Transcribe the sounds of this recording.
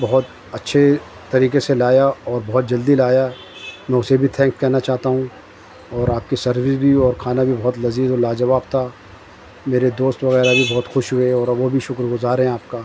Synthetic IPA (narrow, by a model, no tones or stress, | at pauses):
bɐɦʊt̪ | ɐtːʃʰe | t̪ɐɾiːkeselaːjaɔːɾbɔɦɔt̪̚d͡ʒɐld̪ilaːja | mɛ̃ːʊsebʱit̪ʰɛ̃ːŋkskɛɦnat͡ʃaːɦt̪aɦũ | ɔːɾaːp̚kisɐɾʋɪsbʱiɔːɾkʰaːnabʱibɔɦʊt̪lɐziːzolaːd͡ʒɐʋaːb̚t̪ʰa | meːɾed̪oːst̪ʋɐɣɛːɾabʱibɔɦːt̪xʊʃɦʊeɔːɾʋobʱiʃʊkɾɡʊzaːɾɦɛ̃aːp̚kaː